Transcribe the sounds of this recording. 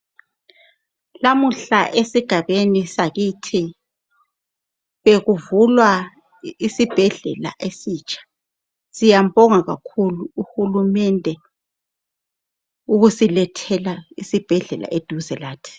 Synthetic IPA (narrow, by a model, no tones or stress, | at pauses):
lamuɬa̰ʔesiɡ̥ʱaβenisaɣitʰi | βeɣuvulwa | isib̥ʱɛɮɛ̰la̰ʔesiːt͡ʃʼḁ | zijambɔŋaɣakʰuluːhulumɛndʱɛ | uɣusilɛtʰɛlaisib̥ʱɛɮɛla̰ʔed̥ʱuzɛlaːtʰi̥